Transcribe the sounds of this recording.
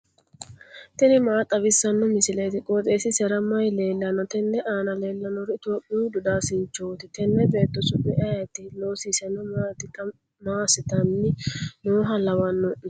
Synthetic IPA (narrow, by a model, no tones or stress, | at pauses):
t̪ɛnɪmaːt̪ʼɐβɪsːɐnːɔmɪsɪlɐt̪ɪkʼot̪ʼeːsɪsɛɾɐmːɐjle̞ːlːɐnːɔt̪ɛnːɛʔaːnɐleːlːɐnɔɾɛɪt̪oːpʼːɪjud̪ʊd̪aːsɪnt͡ʃːoːt̪ɪt̪ɛnːɛbe̞ːt̪ːɔsʊpʼːɪʔɐjɐt̪ːɪloːsiːsɛnːɔmaːt̪ɪt̪ːɐ | maːsɪt̪ɐnːɪnoːɦɐlɐwɐnːɔʔɪ